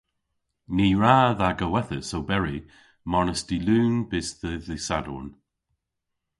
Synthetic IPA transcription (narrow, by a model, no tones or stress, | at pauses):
niːɹaːðaɡəwɛθəsowbɛɹi | mɔɹnəsdiluːnb̥ɪsðəðɪsadɔ̰ːn